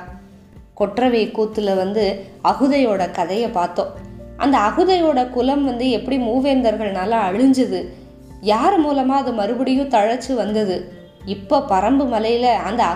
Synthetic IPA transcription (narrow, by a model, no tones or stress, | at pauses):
kɔʈrɐʋeːkuːt̪ːɯlɐʋɐnd̪ɯɐɣɯðɐjoːɽɐkɐðɐjɐpaːɾt̪õːʔɐ̰nd̪ɐːɣɯðɐjoːɽɐkʊlɐmʋɐnd̪ɯɛpːɐɽimuːʋeːnd̪ɐɾɣɐɭnaːlɐɐɻɯɲd͡ʒɐðɯ | jaːɾmuːlɐmaːɐðɯmɐɾɯbɐɽɪjʊ̃t̪ɐɻɐt͡ʃːɯʋɐnd̪ɐðɯ | ɪpːoːpɐɾɐmbɯmɐlɐjɪlɐɐnd̪ɐ